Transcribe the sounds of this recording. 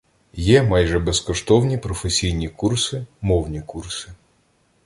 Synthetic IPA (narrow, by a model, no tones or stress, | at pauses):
jɛmɑjʒɛbɛskɔʃt̪ɔwnʲipɾɔfesʲijnʲikursɪmɔwnʲikursɪ